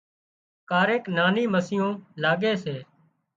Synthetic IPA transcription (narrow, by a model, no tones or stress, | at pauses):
kaːɾeːknaːniːməsɪjõːlaːɠeːseː